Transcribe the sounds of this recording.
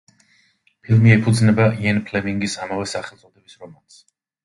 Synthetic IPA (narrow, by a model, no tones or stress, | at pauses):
pʰilˠmiɛpʰud̪znɛbaijɛnpʰlɛmiŋɡisamavɛsaχɛlt̪sʼɔd̪ɛbisɾɔmans